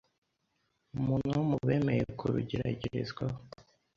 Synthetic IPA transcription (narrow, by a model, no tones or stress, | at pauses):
umunumuβemejekʰuɾiɟiɾa̰ɟiɾizɡwa